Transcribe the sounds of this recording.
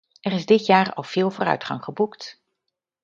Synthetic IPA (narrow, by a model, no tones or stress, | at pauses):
ʔɛrɪzdɪtjaːɹɑ̰lˠv̥ɪːlˠvoːrœ̰ɥtχɑ̰ŋχəbukt